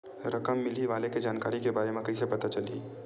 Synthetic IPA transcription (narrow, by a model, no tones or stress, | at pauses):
ɾʔɐkəmːɪliʋaːleked͡ʒaːnkaːɾikebaːɾemẽkɐisepɐt̪at͡ʃɐliː